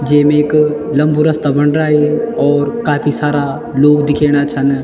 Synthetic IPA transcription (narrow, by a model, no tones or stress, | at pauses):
d͡ʒeːmẽeklɐ̃mbuɾɐst̪abɐnɾaːɦeɔːɾkaːpʰisaːɾa | loːɡd̪ɪkʰeːɽ̃at͡ʃʰɐn